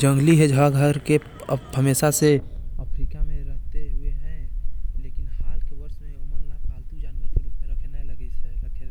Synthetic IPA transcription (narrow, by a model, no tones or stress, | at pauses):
d͡ʒə̃ŋɡliɦɛd͡ʒʱəwaɡʱəɾke | ɦəmeːʃaseəpʰɾiːpkamẽɾəɦt̪eɦʊeɦɛ̃leːkɪnhaːlkebəɾsmẽməɾnabʱaːlt̪id͡ʒaːnkɾkenaləɡɛt͡ʃʰeəkʰe